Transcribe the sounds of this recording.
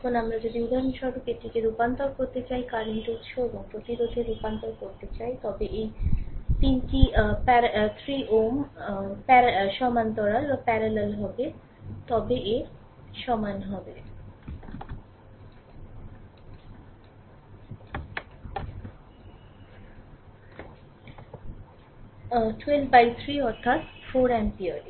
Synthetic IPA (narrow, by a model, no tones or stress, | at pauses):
ɛkʰonamɾad͡ʑod̪iud̪ʱanʃɔbikeʈikeɾupant̪oɾkoɾt̪et͡ɕajkaɾninʈout̪ːʃʰoeboŋpɾot̪iɾod̪ʱeɾupant̪oɾkoɾt̪et͡ɕajt̪ɔbeʔejt̪inkipɛt̪ʰɾiʔompɛɾʃɔmant̪ɔɽalbapɛɾalelɦɔbe | t̪ɔbeʔe | ʃɔmanɦɔbe | ʈwelpbajt̪ʰɾiɔɾt̪ʰːat̪foɾɛnpiəɖ